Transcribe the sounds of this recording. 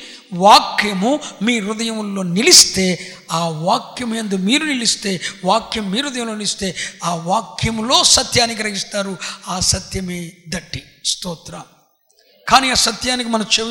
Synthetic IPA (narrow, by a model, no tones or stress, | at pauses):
ʋaːkjɐmumiːɾud̪ɐjɐmlo̞ːnilist̪e̞ː | aːʋaːkjɐmend̪umiːɾunilist̪e̞ːʋaːkjɐmːiːɾud̪ɐjɐmlo̞ːnilist̪e̞ːaːʋaːkjɐmlo̞ːsɐt̪jaːnik̬iɾɐɦist̪aːɾuaːsɐt̪jɐmeːd̪ɐʈːi | st̪oːt̪ɾa | kaːniɐsɐt̪jaːnik̬imɐnɐmt͡ʃe